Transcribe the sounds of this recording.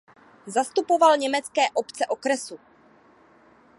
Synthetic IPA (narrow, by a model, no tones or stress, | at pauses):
zast̪upo̞valɲɛmɛt͡skɛːʔo̞pt͡sɛʔo̞kɾɛsu